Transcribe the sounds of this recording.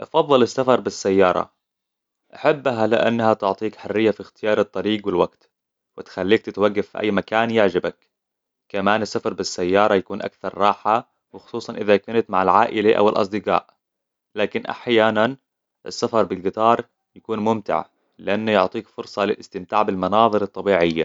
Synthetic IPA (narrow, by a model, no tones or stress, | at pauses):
ʔɑfɑðˤːɨlɪsːafɑɾˤbɪsːajːɑːɾˤɑ̰ | ʔaħabːɦalɪ̰ʔa̰nːahat̪ʊʕt̪ˤiːkħarːɪjːafixt̪ɪjɑːɾˤɨt̪ˤːɑɾiːɡwɪlwaɡt̪ | wɪt̪xalːiːk̚t̪ɪt̪waɡːafːiʔa̰jːmakaːnjaʕd͡ʒabak | kamaːnɪsːafɑɾˤbɪsːajːɑːɾˤɑjakuːnʔa̰kθɑɾˤːɑːħa | wɪxʊ̥sˤuːsˤɑnʔɪðakanat̪maʕalʕaːʔɪlaʔa̰wɪlʔɑ̰sˤd̪ɪqɑ̰ːʔ | laːkɪnʔa̰ħjaːnan | ʔɪsːafɑɾˤbɪlɡɪt̪ˤɑːɾˤ | jakuːnmʊmt̪ɪ̰ʕ | lɪʔanːajʊʕt̪ˤiːkfʊɾsˤɑlɪlʔɪst̪ɪmt̪aːʕbɪlmɑnɑːðˤɨɾɨt̪ˤːɑbiːʕɪjːa̰